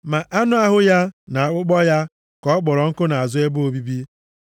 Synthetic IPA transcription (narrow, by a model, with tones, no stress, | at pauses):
ma˨ʔa˦nʊ˦a˦ɦʊ˦ja˦na˨a˨k͡pʊ˦k͡pɔ˦ja˦ | kɔ˨˦k͡pɔ˨ɾɔ˨ŋ̩˦kʊ˦na˨a˨zʊ˦e˦bo˨bi˦bi˦